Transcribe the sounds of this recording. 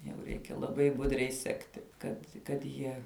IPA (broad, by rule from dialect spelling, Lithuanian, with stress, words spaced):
jɛʊ ˈrʲɛɪkʲɛ lˠɐˈbɐɪ ˈbʊdʲrʲɛɪ ˈsʲæːktʲɪ ˈkɐt kɐt ˈjiɛ